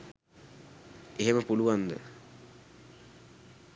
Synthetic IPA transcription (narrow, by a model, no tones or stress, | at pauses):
eɦeməpuluʋand̪ə̰